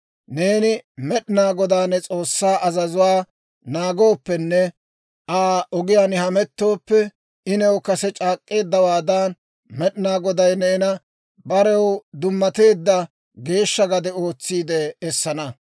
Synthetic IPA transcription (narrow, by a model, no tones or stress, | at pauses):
ne̞ːnɪmɛɗɪnaːɡɔd̪aːnːɛt͡sʼo̞ːsːaːʔɐzɐzʊwaː | naːɡo̞ːpːɛnːɛ | ʔaːʔɔɡɪjaːnɪhɐmɛt̪ːo̞ːpːɛ | ɪnɛwkɐsɛt͡ʃʼaːkʼːe̞ːd̪ːɐwaːd̪aːn | mɛɗɪnaːɡɔd̪ɐjnɛɪnɐ | bɐɾɛwd̪ʊmːɐt̪e̞ːd̪ːɐ | ɡe̞ːʃːɐɡɐd̪ɛo̞ːt͡sːiːd̪ɛːsːɐnɐ